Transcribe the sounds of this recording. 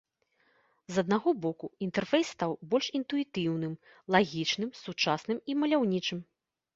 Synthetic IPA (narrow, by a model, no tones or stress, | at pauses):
zɐd̪̚naɣɔbɔkuint̪ɛrfɛjsːt̪awbɔlʲʂint̪uit̪ɨwnɨm | lˠaɣʲit͡ʂnɨmsut͡ʂasnɨmimɐlʲawnʲit͡ʂɨm